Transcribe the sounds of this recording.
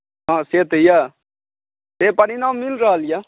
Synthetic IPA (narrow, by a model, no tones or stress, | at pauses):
ɦãːseːt̪jaː | t̪eːpɐɾinãːmːɪlɾaalja